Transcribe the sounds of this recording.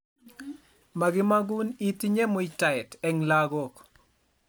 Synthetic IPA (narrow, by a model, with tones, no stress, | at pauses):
ma˨ɡɪ˦ma˦ɡu˦ni˦t̪i˦ɲe˦mʊ˨jta˨ɛ˨tɛ˨ŋlaɡɔ˨k